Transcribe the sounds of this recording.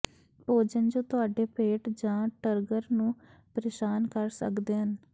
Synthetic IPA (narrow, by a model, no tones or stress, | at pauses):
poːd͡ʒənd͡ʒõːt̪ʊaːɖeːpʰeːʈd͡ʒãːʈəɾɡəɾnũːpəɾɪʃaːnkəɾsə̰kd̪eːɦən